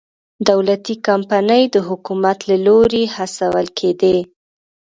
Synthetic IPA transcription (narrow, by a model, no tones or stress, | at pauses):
d̪awlat̪ikampanəjd̪əɦʊkumat̪laloɾehasawəlkʰed̪e